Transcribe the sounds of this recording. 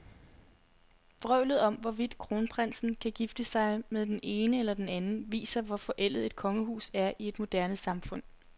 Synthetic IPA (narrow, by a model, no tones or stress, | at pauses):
b̥ʁœʊlð̞̩ˠɒ̽mʋɒʋid̥kʰʁo̝ːnpʰʁensn̩kʰæɡ̥ifd̥əsɑ̈ɪmeðˠd̥ene̝ːnəelɐd̥enænn̩ʋḭːsɐʋɒfɒ̽ʔel̰ð̩ˠe̝d̥̚kʰɒ̽ŋəɦṵːsæɐʔie̝d̥mo̝d̥æɐnəsɑ̈mfɔ̽n̰